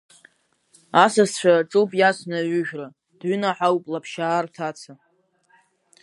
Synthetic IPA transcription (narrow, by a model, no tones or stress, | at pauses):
asast͡ɕʷᶣʰaʈ͡ʂʼupʼjasʷʰnaɥʷʏʒᶣra | d̥ɥʏnaħawpʼlapʰʃaːrtʰat͡sʰa